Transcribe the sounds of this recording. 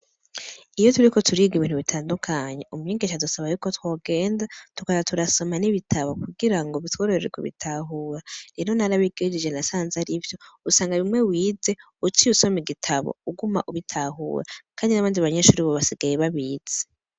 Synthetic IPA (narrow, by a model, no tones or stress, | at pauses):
ijo̞tuɾiko̞tʰuɾiːɡiβiːn̥huβitʰaːndukʰaɲe̞ʔumuɲeːŋɡeʃadusaβajuːkotwo̞ːɡe̞ːndatukaβatuɾaso̞maniβitʰaβo̞kuɡiɾaŋɡoβitwoːɾeeɾikoβḭtʰaːɦuːɾaɾeɾo̞naɾaβiɡed͡ʒid͡ʒe̞nasaːnzaɾivjo̞usaːŋɡaβimŋe̞wiːd͡ze̞ | utiuso̞meɡitʰaβo̰uɡuma̰ʔuβitʰaɦṵːɾakaːndinaβaːndiβaɲeːʃuːɾiβoβasiɡajeβaβiːz̥e̥